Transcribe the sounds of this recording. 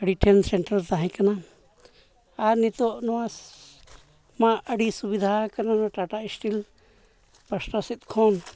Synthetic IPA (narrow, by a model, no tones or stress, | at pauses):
əɽiʈʰɛnsɛɳʈɾalt̪aɦɛ̃kana | aɾnit̪ɔʔnɔwas | maəɽisubid̪ʱakananaʈaʈaisʈil | pəsʈasit̪̚kʰɔn